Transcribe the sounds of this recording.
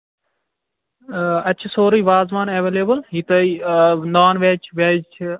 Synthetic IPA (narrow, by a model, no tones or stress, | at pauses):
ɐtːt͡ʃʰisoːɾiːʋaːzʋaːneːʋeːleːbəlɦit̪ɐinaːnʋeːt͡ʃʰʋeːd͡ʒʰ